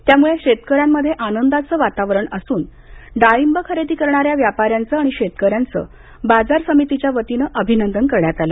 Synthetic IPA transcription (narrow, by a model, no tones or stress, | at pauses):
t̪jamuɭeɕet̪əkəɾjamːəd̪ʱːjeʔanənd̪at͡səʋat̪aʋɾəɳəsuːn | ɖaimbəkʰəɾed̪iːkəɾɳaɾjaʋjapaɾjant͡səaɽ̃iɕet̪kəɾjant͡sə̰ | bad͡zaɾsəmit̪it͡ɕjaʋət̪inəʔəbʱinənd̪ənkəɾɳjat̪alə